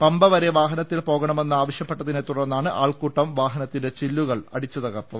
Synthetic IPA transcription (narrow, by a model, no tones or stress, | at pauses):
pɐmbɐʋɐɾe̞ʋaːɦɐnɐt̪ːilpo̞ːɣɐɳɐme̞nːɨaːʋɐɕjɐpːeʈːɐðinet̪ːuɽɐrnːaːɳɨʔaːɭkuːʈːɐmʋaːɦɐnɐt̪ːinde̞t͡ɕilːuɣɐɭɐ̰ɽit͡ɕːut̪ɐɣɐrt̪ːɐðɨ